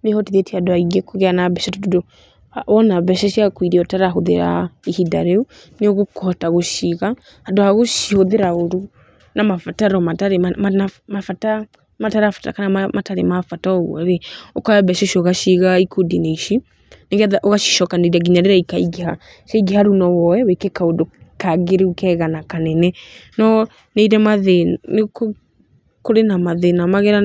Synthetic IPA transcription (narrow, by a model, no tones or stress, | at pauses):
nehɔtiðetihadoaiɡɛkoɣɛanabɛʃɛtɔdodo | aɔnabɛʃɛʃiakwiɾiɔtaɾaɦoðḛɾa̰ihidaɾeu | neɔɣokɔɔtaɣoʃiɣa | hadoaɣoʃihoðeɾaoɾu | namafataɾɔmataɾemamanamafata | mataɾafata̰kanamamataɾḛmafatɔɔɣṵeɾeɔkaɛbɛʃɔʃɔɣaʃiɣaikodineiʃi | neɣɛðaʔoɣaʃi̥ʃɔkaneiɾaɡiɲaɾeɾaikaiɡeha | ʃaiɡihaɾunɔwɔɛwekekaodokaɣeɾeukɛɣanakanɛnɛnɔ | neiɾɛmaðeneko | koɾenamaðenamaɣɛɾa